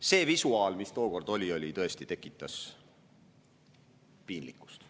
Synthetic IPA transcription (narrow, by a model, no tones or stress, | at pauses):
se̞ːvisuɑːlmist̪o̞ːko̞rd̪o̞lʲio̞lʲit̪ɤ̞e̞st̪i̥t̪e̞kːˑit̪ːˑɑs | piːnlikːˑu̥st̪